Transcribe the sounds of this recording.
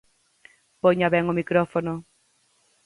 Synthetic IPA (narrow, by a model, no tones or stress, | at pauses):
poɲaβɛŋomikɾɔfonʊ